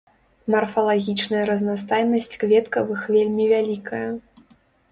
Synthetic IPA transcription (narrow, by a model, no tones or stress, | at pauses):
mɐrfɐlˠaɣʲit͡ʂnɐjɐɾɐznast̪ajnɐsʲt͡sʲkvʲɛt̪kɐvɨxvʲelʲmʲivʲalʲikʰɐjɐ